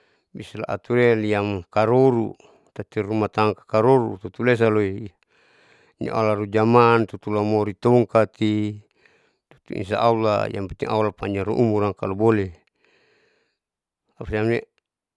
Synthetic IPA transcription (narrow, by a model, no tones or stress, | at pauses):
bisala̰ʔa̰t̪uɾeliamkaɾoɾṵ | t̪at̪iɾumat̪aŋkḁkaɾoɾṵt̪ut̪ules̬aloi | ɲa̰ʔa̰laɾud͡ʒamant̪ut̪ulamoɾit̪oŋkat̪i | t̪u̥t̪ṵḭns̬a̰ʔaula̰ḭamput̪iŋʔa̰ulapaɲaɾuʔumuɾaŋka̰lubole | apasamne